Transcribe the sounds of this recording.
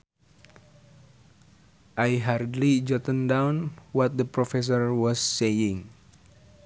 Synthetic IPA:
ʔajɦardlid͡ʒɔt̪əndawnwɔt̪̚d̪əpɾɔfɛs̬ɔrwɔsːejɪŋ

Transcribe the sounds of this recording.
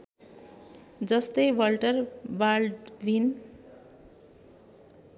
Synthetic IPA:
d͡zʌst̪ʌjwʌlʈʌrbalɖbin

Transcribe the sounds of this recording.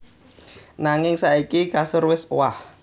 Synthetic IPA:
naŋɪŋsaikikasərwɪswah

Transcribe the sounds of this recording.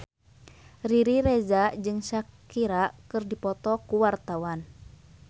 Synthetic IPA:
riɾiɾɛzaʔd͡ʒɨŋsakiɾaʔkɨrdipɔt̪ɔkuwart̪awan

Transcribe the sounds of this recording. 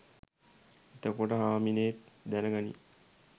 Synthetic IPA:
it̪əkoʈəɦaːmineːt̪d̪ænəɡanḭ

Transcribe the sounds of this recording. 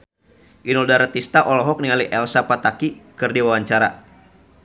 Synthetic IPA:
ʔinɔldaɾat̪ist̪aʔɔlɔɦɔk̚niŋaliʔɛlsapat̪akikɨrdiwawaɲt͡ʃaɾa̰

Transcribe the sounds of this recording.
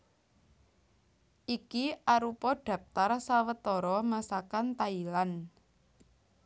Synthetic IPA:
ʔikiʔaɾupɔɖ̥a̤p̚t̪arsawət̪ɔɾɔmasakant̪ailan

